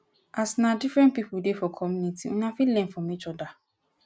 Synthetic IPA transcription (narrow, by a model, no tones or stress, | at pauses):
asnadifɹɛ̃n̚pipudefɔkʰɔmjũnitʰiwṵ̃nãfilɛ̃nfɹɔ̃mit͡ʃɔda